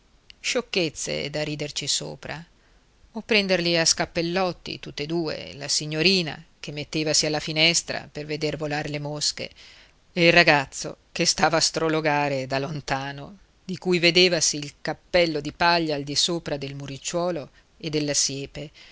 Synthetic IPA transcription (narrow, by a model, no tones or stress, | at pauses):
ʃokːet̪sːḛd̪aɾiːd̪ert͡ʃiso̰ːpɾa̰ | opːɾɛnd̪erliaskapːelːɔt̪ːḭt̪ut̪ːed̪uːḛla̰siɲːoɾiːna̰kemːet̪ːeːvasialːafinɛst̪ɾa̰perved̪ervolaɾelemoskḛ | eilraɡat̪sːo̰kest̪aːvaːst̪ɾoloɡaːɾed̪alont̪aːno | d̪ikujved̪eːvasiːlkapːɛlːod̪ipaʎːaːld̪isoːpɾad̪elmuɾit͡ʃːwɔːlo | ed̪ːelːasjɛːpe